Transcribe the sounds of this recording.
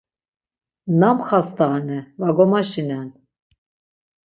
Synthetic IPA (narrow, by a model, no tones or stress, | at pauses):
namχast̪ʰaʁanɛvaɡɔmaʃinɛn